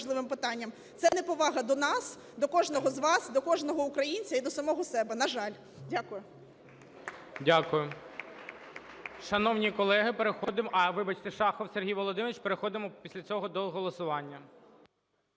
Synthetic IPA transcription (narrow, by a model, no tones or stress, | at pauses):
ʒlˠɪʋɪmpɪt̪ɑnʲːɐm | t̪sɛnɛpɔʋɑɦɐd̪ɔnɑs | d̪ɔkɔʒnɔɦɔzʋɑsd̪ɔkɔʒnɔɦɔukɾɐjinʲt͡sʲɐid̪ɔsɐmɔɦɔsɛbɛnɐʒɑlʲ | dʲakʊjʊ | dʲakʊjʊ | ʃɐnɔwnʲikɔlˠɛɦɪpeɾexɔd̪ɪmɐʋɪbɐt͡ʃt̪ɪʃɑxɔwserɦʲijʋɔlˠɔd̪ɪmeʋʲit͡ʃpeɾexɔd̪ɪmɔpʲisʲlʲɐt͡sʲɔɦɔd̪ɔɦɔlˠɔsʊʋɑnʲːɐ